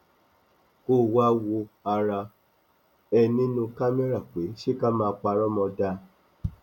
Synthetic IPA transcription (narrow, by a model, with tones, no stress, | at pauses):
ko˦˨wa˦wo˧a˧ɾa˧ | ɛ˧nĩ˦nũ˧ka˦me˦ɾa˦˨k͡pe˨˦ʃe˦ka˦mãː˧k͡pa˧ɾɔ˦mɔ̃˧da˧